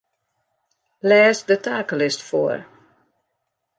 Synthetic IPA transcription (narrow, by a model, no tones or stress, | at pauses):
lɛːsðətʰaklɪstfɔ̰ɹ